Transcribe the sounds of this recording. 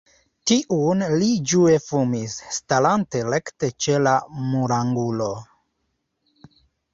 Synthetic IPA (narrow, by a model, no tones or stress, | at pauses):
tiʔunlid͡ʒue̞fumisːtalante̞lekte̞t͡ʃe̞lamuɾaŋɡulo̞